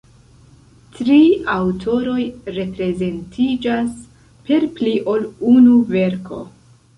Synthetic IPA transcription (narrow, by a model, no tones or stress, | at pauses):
tɾiawtʰo̞ɾo̞jɾe̞pɾe̞ze̞ntʰid͡ʒas | pe̞ɾpliʔo̞lunuve̞ɾkʰo̞̰